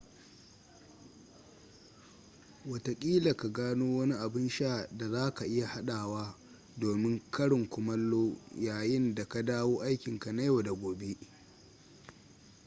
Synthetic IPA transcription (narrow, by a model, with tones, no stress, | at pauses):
wɐ˨ta˨kʲʼiː˦la˨ka˨ɡaː˦noː˦wɐ˦ni˦ʔa˨bɪ˦nʃaː˦˨da˨zaː˦ka˨ʔɪ˦ja˨ha˦ɗaː˨waː˦ | doː˨mɪ˦ŋkɐ˦ɽɪ˨ŋkʷʊ˨mɐ˦lːoː˦jaː˨jɪ˦nda˨ka˦daː˦woː˦ʔa˦jkʲɪ˨ŋka˨na˦joː˨da˨ɡʷoː˨be˦ʔ